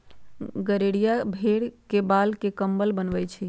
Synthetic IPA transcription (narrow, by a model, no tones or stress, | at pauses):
ɡəɾeɽijabʱeɽkebalkekəmbəlbənʋɛt͡ʃʰi